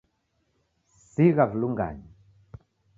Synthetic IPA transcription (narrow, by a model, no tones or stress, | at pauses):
siɣavluŋɡa̰ɲi